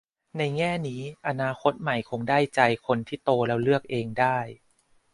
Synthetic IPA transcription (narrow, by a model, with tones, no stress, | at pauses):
na˧jŋɛː˥˩niː˦˥ʔa˧naː˧xʰo˦˥t̪̚ma˨˩jkʰo˧ŋdaː˥˩jt͡ɕa˧jkʰo˧nt̪ʰiː˥˩t̪oː˧lɛː˦˥wlɯ˥˩ək̚ʔeː˧ŋdaː˥˩j